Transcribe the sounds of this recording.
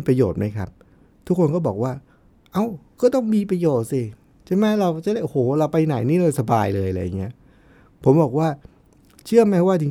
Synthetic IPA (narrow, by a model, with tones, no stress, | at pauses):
iː˧˩pɾa˧joː˨˩t̪̚ma˦˥jkʰa̰˦˥p̚ | t̪ʰu˦˥kʰːo˧nkɔː˥˩bɔː˨˩k̚waː˥˩ | ʔa˧˩wkɔː˥˩t̪ɔ˥˩ŋmiː˧pɾa˧joː˨˩t̪̚si˧ | t͡ɕʰa˥˩jmɛ˦˥ɾa˧wkt͡ɕa˥˩da˧˥˩ʔo˧hoː˩˦ɾa˧wpa˧jna˨˩˦jniː˥˩lɤː˧jsa˧baː˧jlɤː˧jla̰˧jːa˨˩ŋːi˦˥ɐ | pʰo˩˦mbɔː˨˩k̚waː˥˩ | t͡ɕʰɯ˥˩əma˦˥˩waː˥˩t̪ʰi˨˦